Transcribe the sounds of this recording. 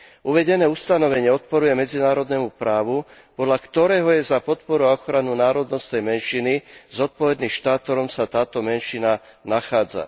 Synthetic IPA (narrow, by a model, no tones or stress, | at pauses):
uʋɛɟɛnɛːust̪anɔʋɛɲɪɛɔt̪̚pɔɾujɛmɛd͡zinaːɾɔd̪nɛmupɾaːʋupɔd̪ʎakt̪ɔɾɛːɦɔjɛzapɔt̪pɔɾuɔxɾanunaːɾɔd̪nɔst̪nɛjmɛnʃinizɔt̪̚pɔʋɛd̪niʃt̪aːt̪ɔɾɔmsat̪aːt̪ɔmɛnʃinanaxaːd͡za̰